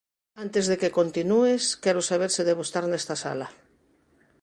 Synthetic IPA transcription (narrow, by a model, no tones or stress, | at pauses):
ant̪ezðekekont̪inueskɛɾosaβ̞eɾseðeβust̪aɾnest̪asa̰la